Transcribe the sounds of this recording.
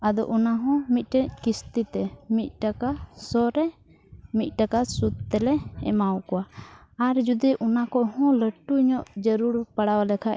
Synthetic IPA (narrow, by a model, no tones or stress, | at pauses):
ad̪ɔ̰ʔunaɦɔ̃mit̪̚ˀʈɛc̚kist̪it̪ɛmit̪̚ˀʈakasɔɾɛ | mit̪̚ˀʈakasut̪t̪ɛlɛɛ̰mawkɔwa | aɾd͡ʒud̪iʔunakɔʔhɔ̃ləʈuiɲɔʔd͡ʒəɾuɾpaɽawalɛkʰaʔ